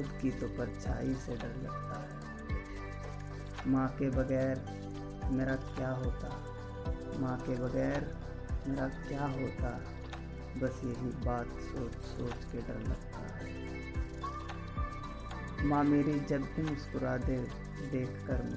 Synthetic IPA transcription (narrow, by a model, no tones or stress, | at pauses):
ʊd̪kit̪opəɾt͡ʃa̰ːiseɖəɾlə̰ɡt̪aɦɛː | mãːkebəɡɛːɾ | meːɾakjaːɦoːt̪a | mãːkebəɡɛːɾ | meːɾakjaːɦoːt̪aɦ | bəsjɐɦibaːt̪soːt͡ʃsoːt͡ʃkeɖəɾlɐ̰ɡt̪a̰ɦɛː | mãːmeːɾid͡ʒəbd̪imʊskʊɾaːd̪e | d̪eːkʰkəɾ